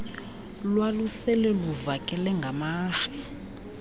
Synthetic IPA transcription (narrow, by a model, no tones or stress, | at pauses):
lwalusɛlɛluvakʼɛlɛŋɡʱamaːʃɛ̥